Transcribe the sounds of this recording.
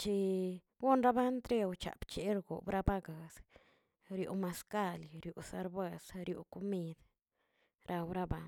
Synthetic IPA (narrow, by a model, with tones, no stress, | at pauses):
t͡ʃi˧ | ɡu˦nɾa˦ba˦nt̪ɾe˦wt͡ʃa̰˨pt͡ʃe˦ɾɡo̰˨bɾa˦ba˦ɡa˨s | ɾjṵ˨ma˧ska˦˧lɾju˨sa˧ɾba˧sɾjṵ˨ku˧mi˧d̪ | ɾʔa˧wɾa˧ba˧n